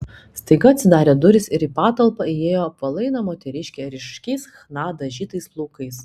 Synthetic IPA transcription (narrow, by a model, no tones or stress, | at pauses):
st̪ɐɪɡɐɐt̪ʲsʲɪd̪ɑːɾʲeːd̪ʊɾʲɪsɪɾiːpɑːt̪ɐlˠpɐieːjoːpɐlˠɐɪnɐmoːt̪ʲɛɾʲɪʃʲkʲeːɾʲɪʃkʲɛɪsxnɑːd̪ɐʒʲiːt̪ɐɪsplˠuːkɐɪs